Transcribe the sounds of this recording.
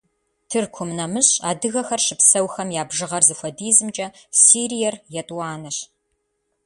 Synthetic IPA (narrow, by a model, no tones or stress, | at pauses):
tʰɨrkʷʰʊmnɐmɨɕʼaːdɨɣɐxɐrʃɨpsɐwxɐmjaːbʒɨʁɐrzɨxʷɐdiːzɨmt͡ʃʼɐsiːɾijɛrjɛtʼwaːnɐɕ